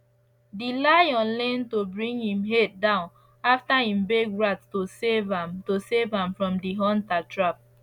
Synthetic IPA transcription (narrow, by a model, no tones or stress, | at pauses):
dilajɔ̃nlɛ̃ntobɹĩŋhĩmɦet̚dãʊ̃n | aftaĩmbeɡɹattosevãmtosevãmfɹɔ̃mdiɦɔ̃ntatʰɹap̚